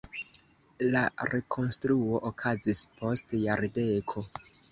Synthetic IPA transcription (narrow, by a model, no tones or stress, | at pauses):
laɾe̞kʰo̞nstɾuo̞ʔokʰazispʰo̞stjaɾdekʰo̞